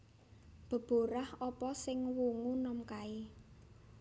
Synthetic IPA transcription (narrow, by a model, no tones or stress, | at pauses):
b̥ə̤b̥o̤ɾahɔpɔsɪŋwuŋunɔmkai